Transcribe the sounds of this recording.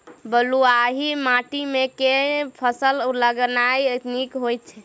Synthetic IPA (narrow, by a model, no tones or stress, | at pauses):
bəluaɦimaʈimekepʰəsəlləɡnajət̪nikɦojt̪t͡ʃʰɛ